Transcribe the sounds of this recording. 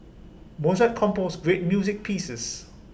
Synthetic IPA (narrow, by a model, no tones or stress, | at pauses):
mozat̚kʰɔ̃mposɡɹet̚mjuzɪk̚pʰiːsəs